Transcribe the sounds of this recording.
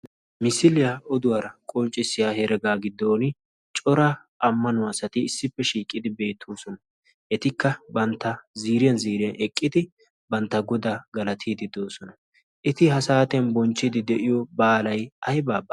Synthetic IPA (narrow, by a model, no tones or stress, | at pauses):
mɪsɪlɪjaɔd̪ʊwaɾɐkʼɔnt͡ʃʼːɪsːɪjahɛɾɛɡaːɡɪd̪ːoːnɪ | t͡ʃʼɔɾɐ | ɐmːɐnʊasɐt̪ɪːsːɪpːɛʃiːkʼːɪd̪ɪbe̞ːt̪ʰːoːsɔnɐ | ʔɛt̪ɪkːɐbɐnt̪ːɐziːɾɪjɐnziːɾɪjɐnʔɛkʼːɪd̪ɪ | bɐnt̪ːɐɡɔd̪aɡɐlɐt̪ʰiːd̪ɪd̪o̞ːsɔnɐ | ʔɪt̪ɪhɐsaːt̪ɪjɐnbɔnt͡ʃːɪd̪ɪd̪ɛʔɪjɔbaːlɐjɐjbaːbɐ